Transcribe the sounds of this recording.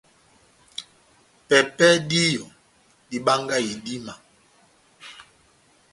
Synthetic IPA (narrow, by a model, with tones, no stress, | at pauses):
pɛ˨pɛ˦di˦jɔ˨ | di˦ɓa˦ŋɡa˦i˨di˦ma˨